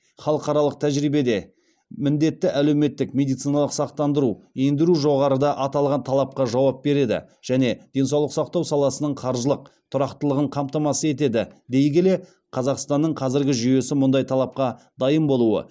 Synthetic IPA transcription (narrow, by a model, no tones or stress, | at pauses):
χɑlˠəqɑɾɑlˠəq̚t̪ʰæʒɾijbe̞d̪e̞ | mɪnd̪e̞t̪ːɪʔælewme̞t̪ːɪkmʲe̞d̪ijt̪sijnɑlˠəqsɑqt̪ɑnd̪əɾuend̪ɪɾuʒo̞ʁɑɾəd̪ɑʔɑt̪ɑlˠʁɑnt̪ʰɑlˠɑp̚qɑʒɑwɑp̚be̞ɾe̞d̪ɪ̰ʒ̥æne̞d̪̥e̞nsɑwlˠəqsɑqt̪ɑwsɑlˠɑsənəɴqʰɑɾʒəlˠəq̚t̪ʰʊɾɑqt̪əlˠəʁəɴqʰɑmt̪ɑmɑsəe̞t̪e̞d̪ɪd̪e̞jɡʲele̞ | qʰɑzɑqst̪ɑnːəɴqʰɑzɪɾɡʲɪʒʏje̞sɪmʊnd̪ɑjt̪ʰɑlˠɑp̚qɑ | d̪ɑjəmbo̞lˠuwə̰